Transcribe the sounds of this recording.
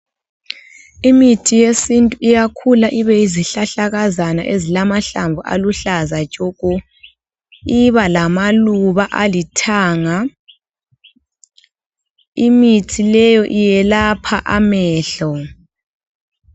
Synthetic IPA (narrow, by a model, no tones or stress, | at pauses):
imitʰijesintʼuijakʰulaʔiβɛiziɬaɬaɣazana̰ʔezilamaɬaɱbvʱuʔa̰luɬazat͡ʃʼɔkʼɔ | iβalamaluβaʔalitʰaːŋa | imitʰilɛjɔʔijɛlapʰaʔamɛːɬɔ